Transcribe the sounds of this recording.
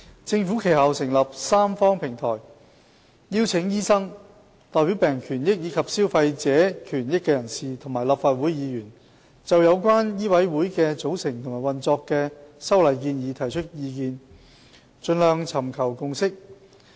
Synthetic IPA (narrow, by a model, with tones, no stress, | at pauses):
t͡sɪ˧ŋfuː˨˥kʰe˨˩jha˨wsɪ˨˩ŋlɐ˨p̚saː˥mfɔː˥ŋpʰɪ˨˩ŋt̪ʰɔ̰ː˨˩j | jiː˥wt͡sʰɪ˨˥ŋjiː˥sɐ˥ŋ | t̪ɔː˨jpiː˨˥wpɛː˨˩ŋkʰyː˨˩njɪ˥k̚jiː˨˧kʰɐ˨p̚siː˥wfɐ˧jt͡sɛː˨˥kʰyː˨˩njɪ˥kːɛː˧jɐ˨˩nsiː˨˩t̪ʰʊ˨˩ŋmaː˨˩jlaː˨˩pfaː˧t̚wu˨˥jjiː˨˧jyː˨˩n | t͡sɐ˨wjɐ˨˧wkʷwaː˥njiː˥wɐ˨˥jwuː˨˥jkɛː˧t͡so˨˥wsɪ˨˩ŋt̪ʰʊ˨˩ŋmaː˨˩jwɐ˨nt͡sɔː˧kːɛː˧sɐ˥wlɐ˨˩jk̬iː˧njiː˨˧t̪ʰɐ˨˩jt͡ʃʰɵ˥t̚jiː˧k̬iː˧n | t͡ʃɵ˧nlœː˨ŋt͡sʰɐ˨˩mkʰɐ˨˩wkʊ˧ŋsɪ˥k̚